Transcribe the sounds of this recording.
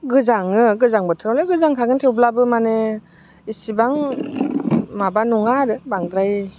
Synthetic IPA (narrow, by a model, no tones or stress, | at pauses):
ɡɯzaŋɯɡɯzaŋbɯtʰɯɾawleɡɯzaŋkʰaɡɯntʰewblabɯmane | isibaŋ | mabanuŋaɾɯbaŋd̪ɾaj